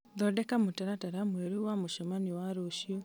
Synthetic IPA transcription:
ðɔdɛkamotɛɾataɾamweɾuwamoʃɔmaniwaɾoːʃio

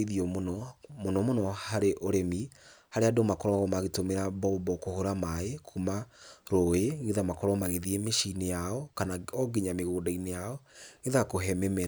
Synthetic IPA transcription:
iðiɔmnɔmonɔmonɔhaɾeʔoɾɛmihaɾeadomakɔɾɔaɣɔmaɣetomeɾabɔbɔkohoɾamaekʰumaɾoeŋɡeðamakɔɾɔmaɣeðiemeʃinejaɔkanaɔɡeɲameɣoːdainejaɔŋɣeðakoɦɛmɛmɛɾ

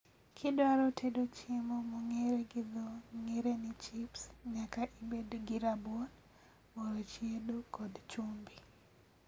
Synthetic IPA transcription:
kʰɪdwaɾɔtʰedot͡ʃemɔmɔŋeɾeɡɪðɔŋeɾenɪt͡ʃipsɲakaʔibedɡɪɾabɔn | moɾot͡ʃjedokɔdt͡ʃumbi

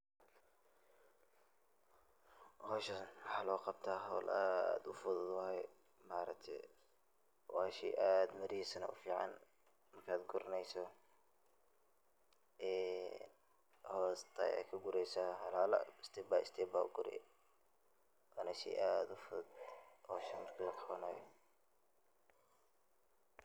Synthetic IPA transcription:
hɔːʃɐnwɑħɑːlɔːqɑbt̪ʰaːɦɔwlʔa̰ːd̪ʊfʊðʊd̪wɑːjɛ | maːɾɐkt̪ʰɛ̰j | wɑːʃɛ̰ːʔaːd̪mɐɾisɐnɐ̰ʔʊ̰fiːʕɑ̰n | mɐrkʰaːd̪ɡʊɾɐnɛjsɔ | ʔɛːn | hɔːst̪ʰɐ̰ɛ̰kʰɐɡʊɾɛjsahɑlaːlɐ̰ɪst̪ʰɛbaɪst̪ʰɛːba̰ːɡʊɾɪ̰ | anɐʃɛ̰ʔaːd̪ʊfʊðd̪ɔːʃɐmɐrkʰilɐkʰɑwɐnaːjɔ

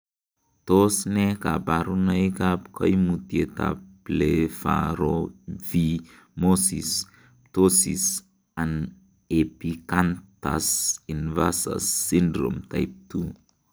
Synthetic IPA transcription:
t̪osnekabaɾunajkapkʰɔ̰jmut̪iet̪a̰plefa̰ɾovi | mosis | t̪osis | an | epikant̪a̰sinvasa̰sːindɾo̰mt̪a̰jp̚t̪u

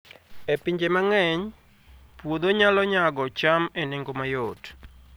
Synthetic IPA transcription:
epiɲd͡ʒemaŋɛɲ | pwod̪oɲalɔɲaɡɔt͡ʃameneŋɡomajot

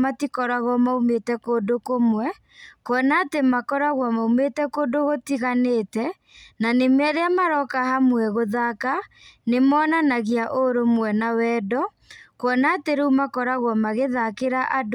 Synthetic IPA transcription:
matikɔɾaɣɔmaumetɛkodokomwɛ | kɔnatemakɔɾaɣwamaumetɛkoːdoɣotiɣaneːtɛ | nanemeaɾeamaɾɔkahamwɛɣoðaka | nemɔːnanaɣeaʔoɾomwɛnawɛdɔ | kwɔnateɾeumakɔɾaɣwɔmaɣeðakeɾaʔad

